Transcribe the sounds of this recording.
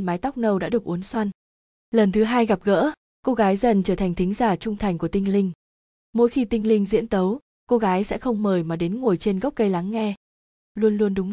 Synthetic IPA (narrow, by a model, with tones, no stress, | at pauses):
maː˨˦jt̪a˦˥k͡p̚nə˧wɗa̰ː˧˥ɗɨ˨˩ək̚ʔu˨˦ənswa˧n | lə˨˩nt̪ʰɨ˨˦ɦaː˧jɣa˨˩p̚ɣə̰ː˧˥ | ko˧ɣaː˨˦jzə˨˩nt͡ɕəː˧˩t̪ʰjŋ̟t̪ʰï˨˦ŋ̟zaː˧˩t͡ɕʊ˧ŋ͡mt̪ʰa˨˩jŋ̟ku˧˩ət̪i˧ŋ̟lï˧ŋ̟ | mo̰˧˥jxi˧t̪ï˧ŋ̟lï˧ŋ̟zḭ˧˥ənt̪ə˨˦w | ko˧ɣaː˨˦jsɛ̰˧˥xə˧wŋ͡mməː˨˩jmaː˨˩ɗe˨˦nŋo˨˩əjt͡ɕe˧nɣk͡p̚kə˧jla˨˦ŋːɛ˧ | lu˧ənlu˧ənɗʊ˨˦ŋ͡m